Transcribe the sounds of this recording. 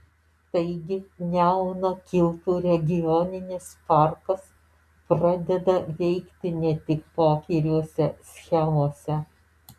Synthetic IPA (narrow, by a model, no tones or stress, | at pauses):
t̪ɐɪɡʲɪnʲæʊnokʲɪlˠt̪uːɾʲɛɡʲɪjɔnʲɪnʲɪspɑˑɾkɐs | pɾɐd̪ʲɛd̪ɐʋʲɛɪkt̪ʲɪnʲɛt̪ʲɪkpoːkʲɛɾʲuɔsʲɛsʲxʲɛmoːsʲɛ